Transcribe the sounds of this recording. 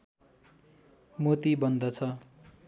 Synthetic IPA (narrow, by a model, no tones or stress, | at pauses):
mot̪ibʌnd̪ʌt͡sʰʌ